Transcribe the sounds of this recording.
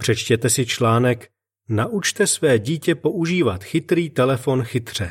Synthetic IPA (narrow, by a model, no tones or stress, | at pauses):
pr̝̥ɛt͡ʃcɛt̪ɛsɪt͡ʃlaːnɛk | naʔut͡ʃt̪ɛsvɛːɟiːcɛpo̞ʔuʒiːvat̪xɪt̪ɾiːt̪ɛlɛfo̞nxɪt̪r̝̥ɛ